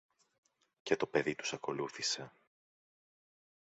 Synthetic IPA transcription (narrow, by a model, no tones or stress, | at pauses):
ce̞t̪o̞pe̞ðit̪u̥sɐko̞luθise̞